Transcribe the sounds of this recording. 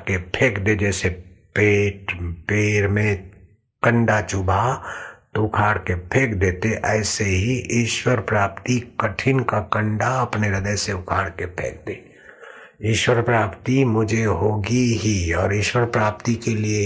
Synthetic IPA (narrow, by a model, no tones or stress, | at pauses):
kepʰeːkd̪ed͡ʒɛːsepeːʈpeːɾmẽ | kə̃ɳɖat͡ʃʊbʱat̪oʊkʰaːɽkepʰeːkd̪eːt̪eʔɛːseɦiʔiʃwəɾpɾaːpt̪ikəʈʰɪnkakə̃ɳɖaɐpneɾəd̪əseʊkʰaːɽkepʰḛːk̚d̪eː | iːʃwəɾpɾaːpt̪imʊd͡ʒʱeɦoːɡiɦiɔːɾiːʃwəɾpɾaːp̚t̪ikelie